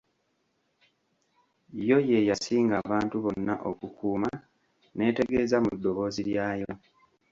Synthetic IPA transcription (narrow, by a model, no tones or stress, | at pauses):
jo̞je̞jasiːŋɡaβaːntuβo̞nːaʔo̞kukuːma | ne̞ːte̞ɡe̞ːzamudːo̞βo̞ːziɾjaːjo̞